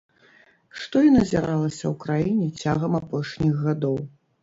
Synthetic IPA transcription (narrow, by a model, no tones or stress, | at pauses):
ʂt̪ɔinɐzʲiɾalˠɐsʲɐwkɾajinʲɛt͡sʲaɣɐmapɔʂnʲiɣːad̪ɔw